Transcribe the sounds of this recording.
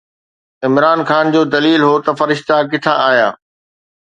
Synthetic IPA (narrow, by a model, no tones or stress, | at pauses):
ɪmɾaːnxaːnd͡ʑoːd̪ɐliːlɦot̪ɐfɐɾɪʃt̪ak̬ɪt̪ʰãaːɦijaː